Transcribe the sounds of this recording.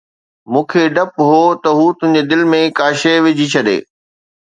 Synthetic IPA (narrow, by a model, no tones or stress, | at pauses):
mũːkʰeɖɐpɦoːt̪ɐɦuːt̪ʊɦɪɲ̆d͡ʑed̪ɪlmẽkaːʃeʋɪd͡ʑʱit͡ɕʰɐɗḛː